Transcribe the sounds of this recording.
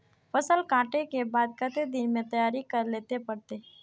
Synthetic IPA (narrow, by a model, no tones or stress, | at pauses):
fəsəlkãːʈekebaːd̪̚kət̪ed̪ɪnmẽt̪ɐjaːɾikəɾleːt̪epɐɽt̪e